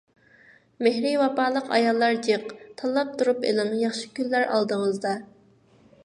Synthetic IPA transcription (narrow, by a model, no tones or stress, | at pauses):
mehɾɪwɑpɑːlˠəqɑ̰jɑlˠːɑɾd͡ʒeqt̪ʰɑlˠːɑp̚t̪ʰuɾupḛlɪŋjɑχʃi̥kʲylːæɾɑ̰lˠd̪əŋəzd̪ɑ